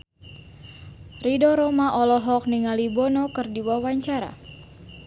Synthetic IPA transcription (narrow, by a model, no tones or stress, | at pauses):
ridɔɾɔmaʔɔlɔɦɔk̚niŋalibɔnɔkɨrdiwawaɲt͡ʃaɾa̰